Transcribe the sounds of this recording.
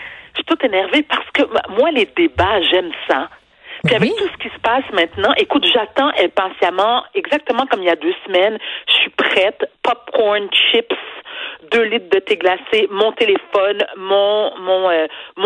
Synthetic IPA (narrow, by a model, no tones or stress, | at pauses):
sɥit̪ut̪enɛʁvepaʁsə̥kəmwaled̪ebaʒɛmsa | piavɛk̚t̪usə̥kʲisə̥pasmɛ̃t̪nɑ̃ʔekut̪ʒat̪ɑ̃ʔɛlpɑ̃sjamɑ̃ɛɡzak̚t̪əmɑ̃kɔmiljad̪øsəmɛnʒə̥sɥipχɛt̪pɔp̚kɔʁnʃipsd̪ølit̪̚d̪ət̪eɡlasemɔ̃t̪elefɔnmɔ̃mɔ̃øm̃